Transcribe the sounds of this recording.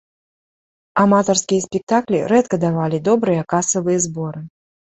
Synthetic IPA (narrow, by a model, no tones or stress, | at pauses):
amat̪ɐrskʲijɐsʲpʲɛk̚t̪aklʲiɾɛt̪kɐd̪avalʲid̪ɔbɾɨjɐkasɐvɨjɐzbɔɾɨ